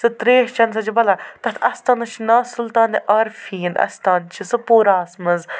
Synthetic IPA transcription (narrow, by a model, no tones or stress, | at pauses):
sɨt̪ɾeːɦt͡ʃɐns̬ɐd͡ʒibɐlaːt̪ɐt̪ʰɐst̪anɐt͡ʃʰinaːsult̪aːniʔɐɾfiːnɐ̰st̪aːnt͡ʃʰisɨpoːɾaːsmɐz